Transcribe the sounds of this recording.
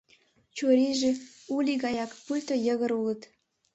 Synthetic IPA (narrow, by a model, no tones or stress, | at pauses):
t͡ɕuɾiʒe | ulʲiɣɑjɑkpulʲt̪ojə̆ɣə̆ɾulə̆t̪